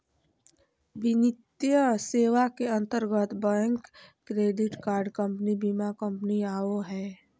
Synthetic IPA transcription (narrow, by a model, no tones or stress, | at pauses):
bɪnɪt̪jəseːʋakeə̃nt̪əɾɡət̪bəjə̃ŋkː | ɾeːɖɪʈkaːɾɖkə̃mpnibimakə̃mpəniaːoɦɛː